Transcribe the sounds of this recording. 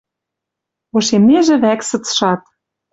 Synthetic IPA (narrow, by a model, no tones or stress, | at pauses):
oʃemneʒĕβæksɤ̆t͡sʃɑt̪̚